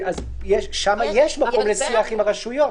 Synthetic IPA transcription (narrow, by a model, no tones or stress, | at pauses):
az | jeʃʃamajeʃmako̞mlesiaχimaʁaʃujo̞